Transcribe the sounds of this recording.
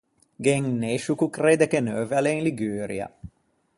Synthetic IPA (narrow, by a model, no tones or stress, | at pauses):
ɡeŋneʃukukreːd̪ekenøːvalenliɡyːɾḭɐ̰